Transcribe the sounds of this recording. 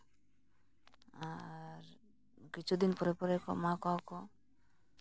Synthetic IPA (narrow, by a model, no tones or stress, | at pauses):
aɾ | kit͡ʃʰud̪inpɔɾepɔɾekɔmãkɔɔko